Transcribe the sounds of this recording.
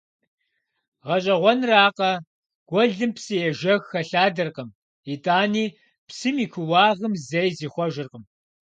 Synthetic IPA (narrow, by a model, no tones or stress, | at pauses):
ʁɐɕʼɐʁʷɔnraːqɐ | ɡ̥ʷɔɮɨmpsɨjɛʒɐɣxɐɬaːdɐrqəm | itʰʼaːniː | psɨmikʷʰʊwɑːʁəmzɐjziːχʷɔʒɨrqəm